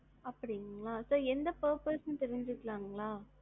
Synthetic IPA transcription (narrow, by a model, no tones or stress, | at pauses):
ɐpːɐɽɪŋɡɐɭaːsoːɛnd̪ɐpɐːɾpɐsnɯt̪ɛɾɪɲd͡ʒɯkːlaːŋɡɐɭaː